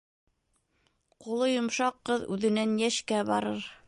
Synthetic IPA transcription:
qulˠɤjŏmʃɑqːɤðʉ̰ðɘ̆nænjæʃkæbɑɾɤɾ

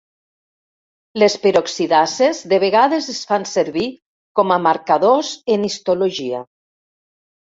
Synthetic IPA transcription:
lespeɾoksiðasezðeβeɣaðezesfanseɾβi | kɔmamaɾkaðozenist̪oloʒia̰

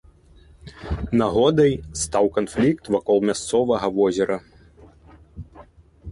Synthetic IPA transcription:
naɣɔd̪ɐjst̪awkanflʲikt̪vakɔlˠmʲast̪sɔvɐɣɐvɔzʲɛɾɐ

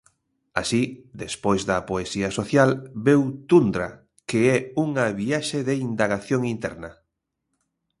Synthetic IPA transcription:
a̰sid̪espojzðɐpoesiɐsoθjalbewt̪und̪ɾa̰ | keɛuŋɐβiaʃeðeind̪aɣaθjoŋint̪ɛɾnɐ

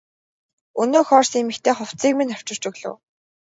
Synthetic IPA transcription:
ɵnoːxɔːrsimɘ̆kt̪ʰeːχʊw̥t͡siːk̚minaw̥t͡ɕɪ̆r̥t͡ɕɵɣɮŏ̰w

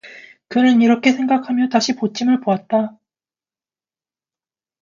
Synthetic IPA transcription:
kɯnɯniɾʌkʰe̞sʰe̞ŋɡakʰamjʌtaɕʰipot͡ɕʰimɯɭpoat̚t͈a

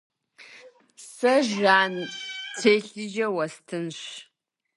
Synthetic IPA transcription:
sɐʒaːnt͡sʰeːɬɨʒɐwɐstʰɨnɕ

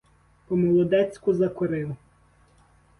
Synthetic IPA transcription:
pɔmɔlˠɔd̪ɛt͡sʲkʊzɐkɔɾɪnʊ

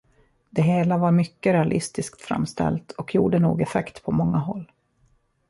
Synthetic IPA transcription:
d̪ɛɦeːlavaɾmʏkːəɾɛalʔɪst̪ɪskt̪fɾa̰mːst̪ɛ̰lt̪ʰɔkjṵːɖənṵːɡɛfɛkt̪pʰɔmɔŋːaɦɔlː

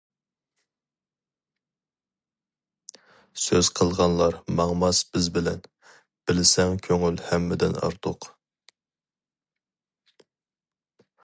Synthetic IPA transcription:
søz̥qʰəlˠʁɑnlˠɑɾmɑŋmɑsb̥ɪzbɪlɛ̰n | b̥ɪlɪsɛŋkʲʰøŋylhɛmːɪd̪ɪ̰nɑ̰ɾt̪ʰʊq

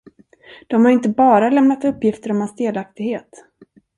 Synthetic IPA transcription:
d̪̥ɔmhaɾɪnt̪əbɑːɾalɛmnat̪ɵpːjɪft̪əɾɔmansd̪eːlak̚t̪ɪɡheːt̪

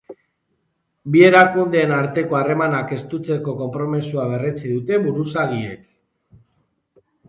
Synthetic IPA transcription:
bie̞ɾakund̪e̞ːnaɾt̪e̞ko̞are̞manake̞st̪ut͡se̞ko̞ko̞mpɾo̞misuaβ̞e̞ret͡siðut̪e̞βuɾusaɣiḛk

